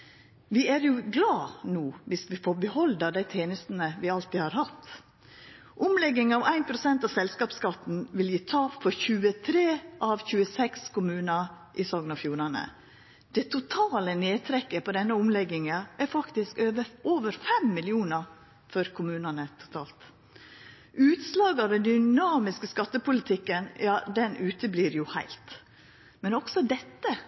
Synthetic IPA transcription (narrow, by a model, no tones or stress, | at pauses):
ʋɪæɾjʊɡlɑːnuːʋɪsʋɪfoːɾbəhɔld̪əd̪æɪt̪ʰeːnəst̪n̩əʋɪɑlt̪ɪːhɑɾhɑt̪ | ʔʊmlɛɡːɪŋɑʋæɪnpʰɾʊsɛnt̪ɑʋsɛlskɑːpskɑt̪ːn̩ʋɪljiːt̪ʰɑːpfɔɾçʉːət̪ʰɾeːʔɑʋçʉːəsɛkskʊmʉːnə | ʔɪsɔɡnɑfjuːɾɑnə̰ | d̪̥ɛt̪ʰʊt̪ʰɑːləneːt̪ʰɾɛkːəpɔd̪ɛnːəʊmlɛɡːɪŋəʔæɾfɑkt̪ɪskøːʋəʔoːʋəɾfɛmːɪlɪuːnə | fɔɾkʰʊmʉːnənət̪ʰʊ̥t̪ʰɑːlt̪ | ʔʉːt̪slɑːɡɑʋd̪ɛnd̪ʏnɑːmɪskəskɑt̪ːəpʊlɪt̪ʰɪkːənjɑːd̪ɛnʔʉːt̪əbliːɾjʊhæ̰ɪlt̪ | mɛnɔksɔd̪ɛt̪ːə